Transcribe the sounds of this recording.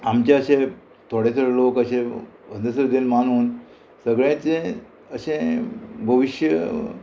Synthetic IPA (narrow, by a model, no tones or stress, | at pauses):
amt͡ɕaəɕẽ | t̪ʰoɽesəɾlokəɕẽʋənd̪əsəɾd̪enmanuːn | səɡɭjãt͡sẽ | əɕẽbʱəʋiɕjə